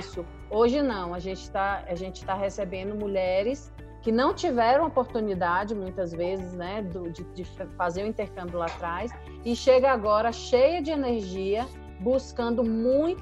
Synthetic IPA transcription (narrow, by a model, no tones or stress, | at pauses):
sʊ | oʒɪnɐ̃w̃aʒẽt͡ʃɪ̥t̪aaʒẽnt͡ʃɪ̥t̪aɦesebẽnd̪ʊmuʎɛɾɪs | kɪnɐ̃w̃t͡ʃivɛɾɐ̃w̃opoɾt̪ũnid̪ad͡ʒɪmũj̃t̪ɐzvezɪznɛd̪ʊd͡ʒɪd͡ʒɪffazeɾʊ̃ĩt̪eɾkɐ̃mbjʊlat̪ɾajs | ɪʃeɡɐaɡɔɾɐʃejɐd͡ʒɪeneɾʒiɐ | buskɐ̃nd̪ʊmũj̃